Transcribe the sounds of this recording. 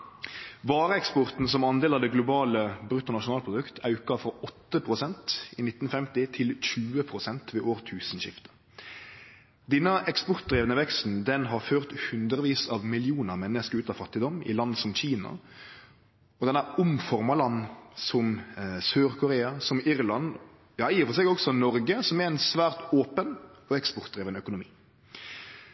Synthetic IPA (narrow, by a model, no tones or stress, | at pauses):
ʋɑːɾəɛkspɔʁt̪n̩sɔmɑnd̪eːlɑʋd̪ɛɡlʊbɑːləbɾʉt̪ːʊnɑʃʊnɑːlpɾʊd̪ʉkt̪ɑʉkɑfɾɔɔt̪ːəpʰɾʁʊsɛnt̪ɪnɪt̪ːn̩fɛmt̪ɪt̪ʰɪlɕʉːəpʰɾʊsɛnt̪ʋeːʔoːʁt̪ʰʉːsn̩ɕɪ̰ft̪ə̥ | d̪ɛnːəʔɛkspɔʁt̪̚d̪ɾeːʋənəʋɛkst̪n̩d̪ɛnɦɑʁføːʁt̪hʉnd̪ɾəʋiːsɑʋmɪlɪuːnəʁmɛnːəskəɾʉːt̪ɑʋfɑt̪ːɪd̪ɔmɪ̰lɑnsɔmçiːnɑ̰ | ɔd̪ɛnːæʊmfɔʁmɑlɑnːsɔmsøːɾkʰʊɾeːɑsɔmɪɾlɑn | jɑːɪːfɔsɛɡɔɡsɔnɔɾɡəsɔmɛɾɛɪnsʋæːʁt̪oːpənɔɛkspɔɾt̪d̪ʁeːʋənœkʊnʊmḭː